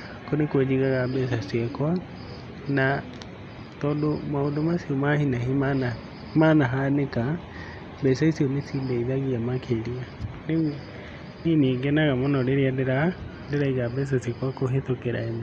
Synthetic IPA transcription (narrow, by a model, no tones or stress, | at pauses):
konekwed͡ʒiɣaɣabɛs̬asiɛkwa | na | tɔːndomaondomasiɔmahinaɦimana | manaɦaneka | bɛsaisiɔnesiːndaiðaɣiamakʰeɾianewɛ | nineːɡɛnaɣamonɔɾeɾeandeɾandeɾaiɣabɛs̬asiɛkwakoɦetokeɾa̰em